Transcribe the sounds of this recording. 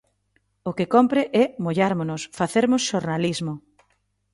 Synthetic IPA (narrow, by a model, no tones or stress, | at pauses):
ʊkɪkɔmpɾɪʔɛmoʎaɾmʊnʊsfaθeɾmʊsʃoɾnalizmʊ